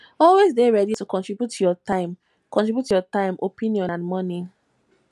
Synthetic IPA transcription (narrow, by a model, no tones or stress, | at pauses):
ɔlwezdeɹɛditukɔ̃ntɹibjutʰjɔtãɪ̃m | kɔ̃ntɹibjutʰujɔtãɪ̃mʔopʰĩniɔ̃nãnmɔni